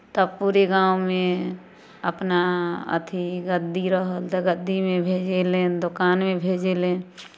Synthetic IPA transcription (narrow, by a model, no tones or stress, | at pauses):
t̪əbpuːɾeɡãːwmẽ | ə̰pnaə̰t̪ʰiɡəd̪iɾəɦəlt̪eɡəd̪ːimẽbʱeːd͡ʒelẽd̪ʊkaːnmẽbʱeːd͡ʒelẽ